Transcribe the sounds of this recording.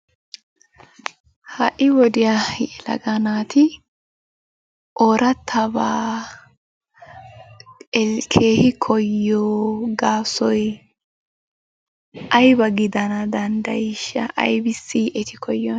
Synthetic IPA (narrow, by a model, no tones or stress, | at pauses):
hɐʔɪwɔd̪ɪjalɐ̰ɡɐnaːt̪ɪ | ʔoːɾʔɐt̪ʰːɐbaː | ɛkʰeːhɪkʰɔjːoːɡaːsɔj | ʔɐjbɐɡɪd̪ɐnɐd̪ɐnd̪ɐjɪʃːɐ̰ʔɐ̰jbɪsːiːʔɛt̪ɪkʰɔjːɔn